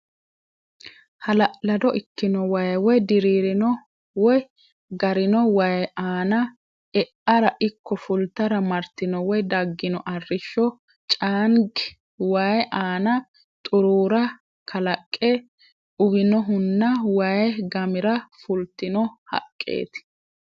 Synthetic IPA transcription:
hɐlɐʔlɐd̪ɔʔɪkːɪnɔwɐjwɔjd̪ɪɾiːɾɪnɔ | wɔj | ɡɐɾɪnɔwɐjʔaːnɐ | ɛʔɐɾɐʔɪkːɔfʊlt̪ːɐɾɐmɐɾt̪ːɪnɔwɔjd̪ɐɡːɪnɔʔɐrːɪʃːɔ | t͡ʃʼaːnɡ | waːjʔaːnɐ | t̪ʼʊɾuːɾɐ | kʰɐlɐkʼːɛ | ʊbɪnɔɦʊnːɐwɐjɡɐmɪɾɐfʊlt̪ːɪnɔhɐ̰kʼːḛːt̪ɪ̥

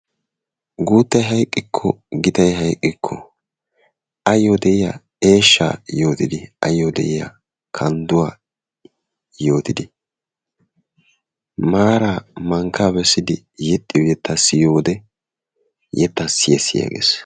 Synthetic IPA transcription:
ɡuːt̪ːɐjɦɐjkʼːɪkʰːɔ̰ɡɪt̪ɐjɦɐjkʼːɪkʰːɔ̰ | ɐjːod̪ɛʔɪjɐ̰ | e̞ːʃːa̰jo̞ːt̪ɪd̪ɪɐ̰jːod̪ɛ̰ʔɪjɐ̰ | kʰɐnd̪ʊwaː | jo̞ːt̪ɪd̪ɪ | maːɾaːmɐŋkʰːaːbɛsːɪd̪ɪ | jɛt̪ʼːɪjɔjɛt̪ʰːɐsɪjo̞ːd̪ɛ | jɛt̪ːɐsɪjɛsːɪja̰ɡḛːs

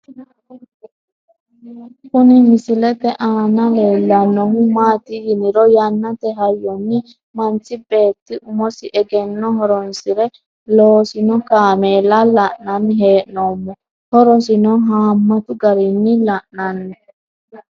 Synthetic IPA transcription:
kʊnɪmɪsɪlɛtɛʔaːnɐleːlːɐnːɔhʊmaːt̪ɪɡɪnɪɾɔjanːɐt̪ɛɦɐjːɔnːɪ | mɐnt͡sːɪbe̞ːt̪ːɪʔʊmɔsɪʔɛɡɛnːɔɦɔɾɔnsɪɾɛ | loːsɪnɔkaːmeːlalɐʔnɐnːɪɦeːʔnoːmːɔ | hɔɾɔs̬ɪnɔɦaːmːɐt̪ʊɡɐɾɪnːɪlɐʔnɐnːɛ

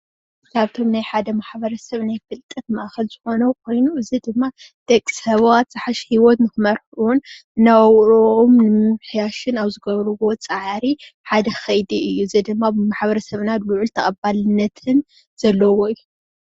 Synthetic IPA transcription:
kʰaβt̪ʰo̞mnajħad̪ɐmaħbɐɾɐsɐβnajfɨlt̪ʼɨt̪mɐaʔaxɐlz̥ɨxo̞nɐkʰo̞jnuɨzid̪ɨmːa | d̪̥ekʼsɐβwat̪z̥ɨħaʃhiwot̪nɨxɨmɐɾħunnawwɾoʔomnɨmɨħjaʃɪnaβzɨɡɐβɾɨwo̞t͡sʼɨʕɾi | ħad̪ɐxɐjd̪iɨjːuzid̪ɨmːabɨmaħbɐɾɐsɐβnat̪lʊʕʊlt̪ʰɐkʼɐbalɨnːɐt̪ʰɨn | z̥ɐlːɐwoɨjːu

